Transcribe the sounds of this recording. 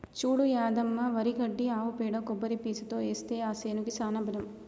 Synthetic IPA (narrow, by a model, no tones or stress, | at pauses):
t͡ʃuːɽujaːd̪ɐmːɐʋɐɾikɐɖːiaːʋupeːɽɐkɔbːɐɾipiːsu̥t̪oːeːst̪eːaːseːnukisaːnɐbɐd̪ɐm